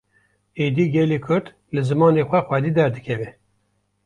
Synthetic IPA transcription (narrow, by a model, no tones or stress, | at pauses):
eːd̪iːɡɛlikʰʊɾt̪ | lɨzɨmɑːnexʷɛxwɛd̪iːd̪ɛɾd̪ɨkʰɛvɛ